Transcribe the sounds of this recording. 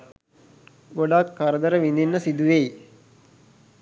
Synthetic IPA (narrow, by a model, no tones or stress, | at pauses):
ɡoɖaːkːɐɾɐd̪ɐɾɐʋind̪inːɐsid̪uʋej